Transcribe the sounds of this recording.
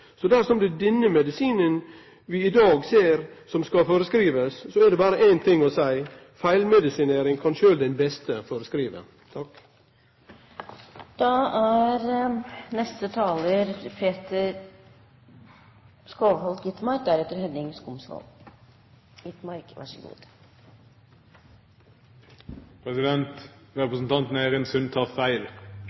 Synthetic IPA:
sɔd̪æɾʂɔmd̪ʉd̪ɛnːəmɛd̪ɪsiːnən | ʋɪɪd̪ɑːɡseːɾsɔmskɑfoːɾəskɾiːʋəssɔɛɖ̪ɛbɑːɾəʔæɪnt̪ʰɪŋːɔsæɪ | fæɪlmɛd̪ɪsɪneːɾɪŋkʰɑnʃøːld̪ɛnbɛst̪əfoːɾəskɾiːʋə̰ | t̪ʰɑk | d̪̥ɑæɾnɛst̪ət̪ʰɑːləɾpʰeːt̪əɾ | skoːʋhɔlt̪jɪt̪mɑɾk̚d̪æɾɛt̪ːəɾhɛnɪŋskʊmsʋɔ̰l | ɪt̪mɑɾkʋɑ̰ʂəɡṵːd̪̥ | pʰɾɛsɪd̪ɛnt̪ɾɛpɾəsn̩t̪ʰɑnt̪nəæːɾɛnsʉnt̪ʰɑːʁfæɪl

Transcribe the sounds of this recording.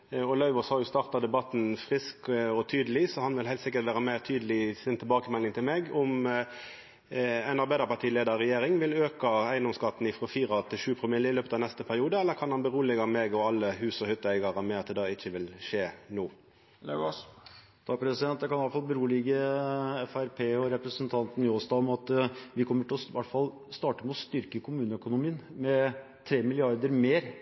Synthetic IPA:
ɔlɑʉʋɔshɑjʊst̪ɑʁt̪ɑd̪ɛbɑt̪ːn̩fʁɪskɔt̪ʰyːd̪əlɪsɔhɑnʋɪlhæɪt̪sɪkːət̪ʋæːʁəmæɪʁt̪ʰyːd̪əlɪsɪnt̪ʰɪlbɑːkəmɛlːɪŋt̪ʰɪlmɛɡɔm | ɛɪnɑɾbæɪd̪əʁpɑʈ̪ʰiːleːd̪əʁɛjeːɾɪŋʋɪløːkɑæɪənd̪ɔmskɑt̪ːn̩ɪfʁɔfiːɾɑt̪ʰɪʃʉːpʰʁɔmɪlɪløːpət̪ɑnɛst̪əpʰæʁɪuːd̪əɛlːəkʰɑnhɑnbəɾuːlɪɡɑmɛːɡɔɑlːəhʉːsɔhʏt̪ːəæɪɡɑʁəmɛɑt̪d̪ɛd̪ɑːɪçːəʋɪlʃeːnuː | st̪ɑːɡ̚pʰɾɛsɪd̪ɛnt̪d̪ɛkʰɑnɑləfɑlbəɾuːlɪɡəɛfæɾpʰeːɔɾɛpɾəsənt̪ʰɑnt̪n̩ɪɔsd̪ɑːɔmɑt̪ʋɪkʰɔmːəʈʰɪlɔʋæʈfɑl | st̪ɑːʈəmɛɔst̪ʏɾkəkʰʊmʉːnəœkʊnʊmiːənmɛ | t̪ʰɾeːmɪlɪɑɾd̪əɾmeːɾ

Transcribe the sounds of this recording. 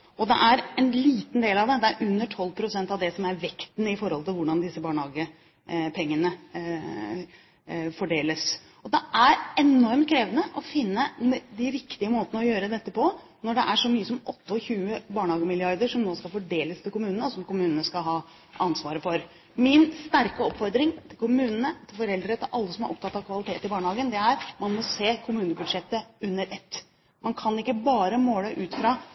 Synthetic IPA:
ɔd̪ɛ̰ʔæɾɛnliːt̪nd̪eːlɑʋd̪ɛd̪ɛæɾʔʉnːəʈʰɔlːpʰɾʊsɛnt̪ɑʋd̪ɛsɔmæɾʋɛkt̪nɪfɔɾhɔlt̪ɪlʋʊɖɑnd̪ɪsːəbɑːɳhɑːɡə | pʰɛŋːənə | fɔɖeːləs | ɔd̪ɛæɾɛnɔɾm̚kʰɾeːʋənəʔɔfɪnːəd̪ɪɾɪkt̪ɪəmoːt̪ənəɔjøːɾəd̪ɛt̪ːəpɔ | nɔɖɛʔæʂɔmyːəsɔmɔt̪ːəɔçʉːəbɑːɳəhɑːɡəmɪlɪɑɾd̪əʂɔmnoːskɑlfɔɖeːləst̪ʰɪlkʊmʉːnənəsɔmkʊmʉːnənəskɑlɦɑː | ɑnsʋɑːɾəfɔɾ | mɪnst̪æɾkəɔpːfɔɾd̪ɾɪŋt̪ʰɪlkʰʊmʉːnənət̪ʰɪlfɔɾɛld̪əɾət̪ʰɪlʔɑlːəsɔmæɾʔɔ̰pt̪ʰɑt̪ːɑʋkʰʋɑlɪt̪ʰeːt̪ɪbɑːɳəhɑːɡənd̪ɛæɾmɑnmɔseːkʰʊmʉːnəbʉd̪ʂɛt̪ːəʉnːəɾʔɛt̪ː | mɑnkʰɑnɪkːəbɑːɾəmoːləʔʉːt̪fɾɑ

